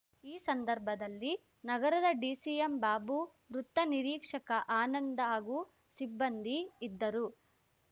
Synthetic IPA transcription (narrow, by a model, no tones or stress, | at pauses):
iːsɐnd̪ɐɾbʱɐd̪ɐlːi | nɐɡɐɾɐd̪ɐɖiːsiembaːbu | ɾut̪ːɐniɾiːkʂɐkɐʔaːnɐnd̪aːɡu | sibːɐnd̪iːd̪ːɐɾu